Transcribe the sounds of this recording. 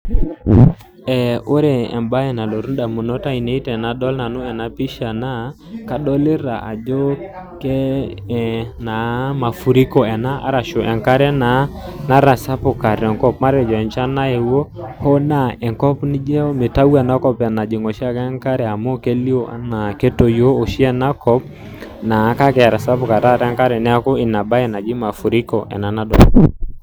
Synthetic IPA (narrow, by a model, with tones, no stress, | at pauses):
ɛ˨o˦ɾɛ˨ɛ̰˨mba˦ɛ˨na˨lo˨ɾu˦nda˨mu˨nɔ˦ta˦i˨ne˦i˦tɛ˨na˨dɔ˦lna˨no˦ɛ˨na˦pi˦ʃa˨na˦ | ka˨ɗɔ˦lɪ˦ɾa̰˨ʔa˨d͡ʒɔ˦ | kɛ˦ | na˨˦ma˨fu˨ɾi˦kɔ˦˨ɛ˨na˦a̰˦ɾa˨ʃo˨ʔɛ˨ŋka˦ɾɛ˦na˨˦na˦ɾa˨sa˦po˨ka˨ɾɔ˨ŋkɔ˦pma˦ɾɛ˨d͡ʒɔ˨ɛ˨nt͡ʃa˦na˦e˨wo˦hɔ˦na˦˨ɛ˨ŋkɔ˦pnɪ˦d͡ʒɛ˦me˨ta˦wɛ˨na˦kɔ˦pa˨na˨d͡ʒi˨ŋo˨ʃi˦a˦kɛ˦ŋka˦ɾɛ˨a˨mo˦ke˦li˦o˦ʔa̰˦na˨kɛ˦to˨jo˦o˨ʃi˦ɛ˦na˦kɔ˦p̚ | na˨˦ka˦kɛ˨a˨ɾa˨sa˦pʊ˨ka˨ɾa˦˨ɾɛ˦ŋka˦ɾɛ˨nɛ˦a˦ko˦ɪ˨na˨ba˦ɛ˨na˨d͡ʒi˦ma˨fu˨ɾi˦kɔ̰˨ʔɛ̰˨na˨na˦dɔ˨˦